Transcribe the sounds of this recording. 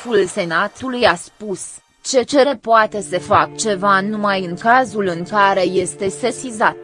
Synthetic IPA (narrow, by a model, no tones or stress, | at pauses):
fulse̞nat̪ulujaspus | t͡ʃe̞t͡ʃe̞ɾe̞poat̪e̞se̞fak̚t͡ʃe̞vanumajɨŋkazulɨŋkaɾe̞je̞st̪e̞se̞sizat̪̚